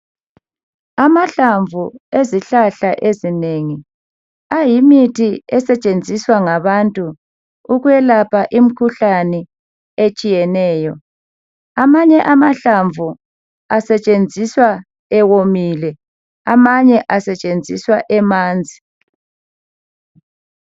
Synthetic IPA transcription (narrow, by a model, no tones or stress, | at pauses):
amaɬaɱvʱueziɬaɬaʔezineŋi | ajimitʰiɛsɛt͡ʃʼend͡zʱiswaŋaβantʼuː | ɣuɛlapʰaʔim̩kʰuɬanɛ | et͡ʃʼijɛnɛːjɔ | amaɲɛʔamaɬaɱvʱu | asɛt͡ʃʼend͡zʱiswa | ɛwomilɛ | amaɲɛʔasɛt͡ʃʼend͡zʱiswaʔɛmaːnd͡zʱi